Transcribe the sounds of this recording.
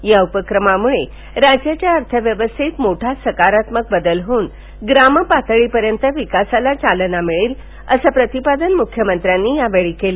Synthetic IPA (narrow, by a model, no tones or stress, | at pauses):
jaupəkɾəmamuɭe | ɾad͡ʑjat͡ɕjaəɾt̪ʰəʋjəʋəst̪ʰit̪moʈʰasəkaɾat̪mək̚bəd̪əlɦoːn | ɡɾaməpat̪əɭipəɾjənt̪əʋikasalat͡salənamiɭiːl | əsapɾət̪ipad̪ənmukʰːjəmənt̪ɾjanːiːjaʋeɭikeli